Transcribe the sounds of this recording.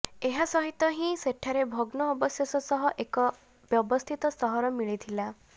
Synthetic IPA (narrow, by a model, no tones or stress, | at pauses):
eɦasɔɦit̪ɔɦĩseʈʰaɾebʱoɡnɔːbɔsjɔsɔsɔɦɔʔekɔ | bjɔbɔst̪ʰit̪ɔsɔɦɔɾɔmiɭit̪ʰila